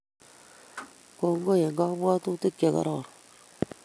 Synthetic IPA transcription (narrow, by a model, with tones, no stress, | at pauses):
ko˨ŋɡo˦je˨ŋɡa˦bwa˦t̪u˦te˦kːe˨ka̰˦ɾɔ˨ɾ